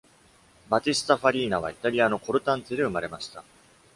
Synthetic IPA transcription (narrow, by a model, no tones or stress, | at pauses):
bat͡ɕisɨ̥t̪aɸaɾʲiːnaβ̞a̰it̪aɾʲiano̞ko̞ɾɯ̟t̪ãnt͡sed̪e̞ɯ̟maɾe̞maɕi̥t̪a